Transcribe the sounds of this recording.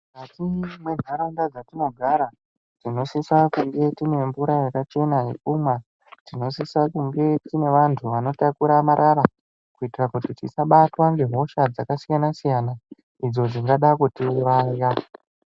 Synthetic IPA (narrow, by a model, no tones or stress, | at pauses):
katimwe̞n̤ʱaɾaundad͡zatino̞ɡʱaɾa | tino̞sisakuŋɡe̞tine̞mbuɾajekat͡ʃe̞naɦḛkumwa | tino̞siswakuŋɡe̞tine̞ʋantʰuʋano̞takuɾamaɾʔaɾa | kuitirakutitḭsaɓatwaŋɡe̞ɦo̞ʃad͡zakasijanasijana | id͡zo̞d͡ziŋɡaɗakutiʋaja